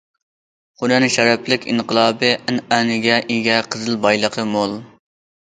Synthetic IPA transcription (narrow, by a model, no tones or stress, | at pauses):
χʊnɛnʃɛɾɛplɪkʲḭnqəlˠɑːbɨʔænænɪɡʲɛʔiɡʲɛqʰəzɨlˠbɑjlˠəqʰəmolˠ